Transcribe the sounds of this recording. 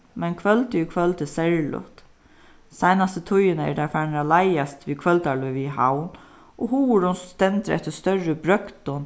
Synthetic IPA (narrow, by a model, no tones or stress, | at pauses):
mɛnkʰʋœlt̪əikʰʋœlt̪əsɛɹlʊ̰ht̪ | saɪnast̪ət̪ʰʊjənəɛ̰d̪aɹfæːnɾalaɪast̪ʋikʰʋœlt̪aɭɔʋiɦa̰wn | ʔɔɦuːʊɾʊnst̪ɛnt̪əɾɛ̰ht̪əst̪œɹəbɾœkt̪ɔn